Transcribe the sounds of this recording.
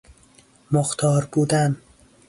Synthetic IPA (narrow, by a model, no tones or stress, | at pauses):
moxt̪ʰɒːɾbuːd̪æn